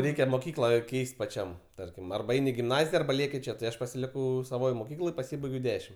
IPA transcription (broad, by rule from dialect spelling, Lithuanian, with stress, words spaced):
ˈrʲɛɪkʲɛ moːˈkʲiːklˠɐ ˈkʲɛɪsʲtʲ pɐˈt͡ʃʲɛm ˈtɐrʲkʲɪm ɐrbɐ ˈɛɪnʲ ɪ ɡʲɪmˈnɑːzʲɪjɛ ɐrbɐ ˈlʲiɛkʲɪ ˈt͡ʃʲɛ tɐɪ ˈɐʃ pɐsʲɪˈlʲɪkɐʊ sɐˈʋoːj moːˈkʲiːklˠoːj pɐˈsʲiːbɐɪɡʲɛʊ ˈdʲæːʃʲɪm